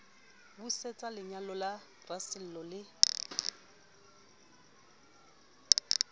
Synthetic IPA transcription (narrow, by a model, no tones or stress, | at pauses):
buset͡sʼalɪɲalɔla | rasɪl̩lɔlɪ